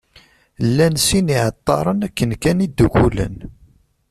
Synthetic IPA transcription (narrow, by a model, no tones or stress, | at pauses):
lːænsiniʕət̪ˤːɑ̰ɾˤənækːənkænid̪ːukulə̰n